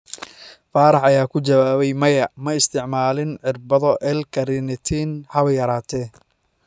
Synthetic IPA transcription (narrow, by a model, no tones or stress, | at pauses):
faːɾɑħɐjaːkʰʊt͡ʃɐwaːβɛjmɐjɐmɐɪst̪ʰɪʕmaːlɪnʕɪrbɐðɔʔɛlkʰɐɾɪnɪt̪ʰinhɐβɐjɐɾaːt̪ʰɛ